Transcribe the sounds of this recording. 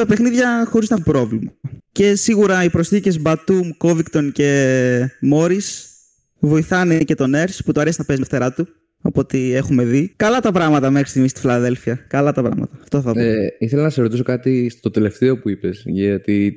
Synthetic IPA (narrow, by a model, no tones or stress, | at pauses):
t̪ɐpexniðʝɐxo̞ɾiznɐexumpɾo̞vlimɐce̞siɣuɾɐipɾo̞sθice̞zbɐt̪umko̞vikt̪o̞nce̞ | mo̞ɾis | vo̞iθɐnece̞t̪o̞ne̞ɾsput̪oɐɾe̞sinɐpe̞zmft̪e̞ɾɐt̪u | ɐpo̞t̪ie̞xume̞ðikɐlɐt̪ɐpɾɐɣmɐt̪ɐme̞xɾi̥st̪iɣmist̪i̥filɐðe̞lfiɐkɐlɐt̪ɐpɾɐ̰ɣmɐ̰t̪ɐːft̪oθɐpoiθelɐnɐseɾot̪iso̞kɐt̪istt̪o̞t̪ele̞ft̪eo̞puipe̞sʝɐt̪i